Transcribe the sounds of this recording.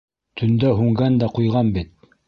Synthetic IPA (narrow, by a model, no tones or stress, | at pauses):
t̪ʰɵ̆nd̪æɦʉŋɡænd̪æqujʁɑnbit̪̚